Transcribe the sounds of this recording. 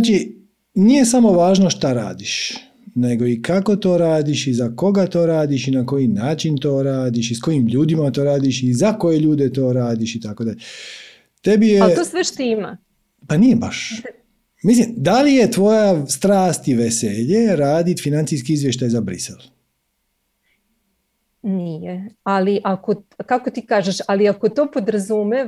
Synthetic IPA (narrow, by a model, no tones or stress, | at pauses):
at͡ʃi | nije̞samo̞ʋaːʒnoʃt̪aɾa̰ːd̪iʃ | ne̞ɡo̞ikako̞t̪o̞ːɾaːd̪iʃizako̞ɡat̪o̞ːɾaːd̪iʃinako̞jinaːt͡ʃint̪o̞ːɾaːd̪iʃisko̞jimʎuːd̪imat̪o̞ːɾaːd̪iʃizako̞je̞ʎuːd̪et̪o̞ːɾaːd̪iʃit̪ako̞d̪aʎe | t̪e̞bijet̪osʋeʃt̪ima̰ | panijebaʃ | mislimd̪alije̞t̪ʋo̞jast̪ɾaːst̪iʋeseʎeɾaːd̪it̪finant̪siskiizʋjeʃt̪ajzabɾḭselˠ | nijealiʔakokakot̪iːkaːʒeʃaliakot̪oːpod̪ɾazume